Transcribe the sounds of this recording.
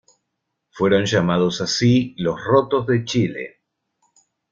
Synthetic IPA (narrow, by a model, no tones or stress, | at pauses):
fweɾo̞nʒamaðosasilo̞srot̪ozðe̞t͡ʃilḛ